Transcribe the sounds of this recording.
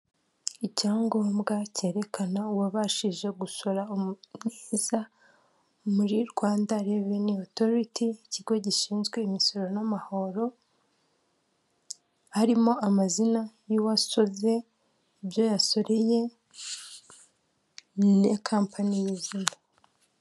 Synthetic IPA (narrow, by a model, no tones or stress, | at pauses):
icaːŋɡo̞ːmɡace̞ːɾe̞kʰanauwaβaʃiʒe̞ɡuso̞ɾaomneːza | muɾiɾɡwaːndaɾe̞βenioto̞ɾitʰiiciɡo̞ɟiʃiːnzɡwe̞imiso̞ɾo̞namaho̞ɾo̞ | haɾimo̞amazinajuwaso̞ve̞ | bjo̞jaso̞ɾeje̞ | ne̞kʰaːmpʰanijizimo